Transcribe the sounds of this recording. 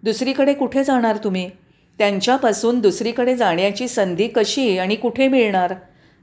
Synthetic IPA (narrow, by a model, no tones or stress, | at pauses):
d̪usɾiːkəɽekuʈʰed͡zaɽ̃aɾt̪um̤iː | t̪jaɲt͡ɕjapasuːnd̪usɾikəɽed͡zaɳ̃jat͡ɕiːsənd̪iːkəɕiːaɽ̃ikuʈʰemiɭɳaɾ